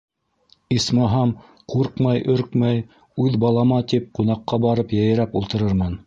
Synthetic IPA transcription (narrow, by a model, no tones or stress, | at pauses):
ismɑɦɑm | quɾqmɑjʔɵɾkmæj | ʉðbɑlˠɑmɑt̪ip̚qunɑqːɑbɑɾɤpjæ̆jɘ̆ɾæpulˠt̪ɤ̆ɾɤɾmɤn